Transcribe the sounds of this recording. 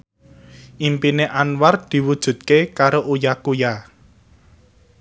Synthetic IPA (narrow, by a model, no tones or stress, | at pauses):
ʔimpineʔanward̪̥i̤wud̥ʒ̥ṳt̪̚kekaɾoʔujakuja